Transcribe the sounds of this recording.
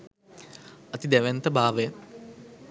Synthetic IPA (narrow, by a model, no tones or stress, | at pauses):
ɐt̪id̪æʋɛnt̪əbaːʋe